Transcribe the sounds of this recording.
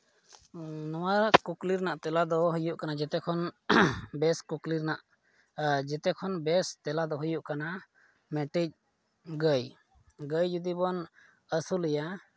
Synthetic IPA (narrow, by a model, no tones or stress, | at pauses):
nɔwaɾkukliɾnaʔt̪ɛlad̪ɔɦujuʔkanad͡ʒɛt̪ɛkʰɔn | bɛskukliɾnaʔ | d͡ʒɛt̪ɛkʰɔnbɛst̪ɛlad̪ɔɦujuʔkana | mɛʈic̚ | ɡəj | ɡəjd͡ʒud̪ibɔn | əsulɛja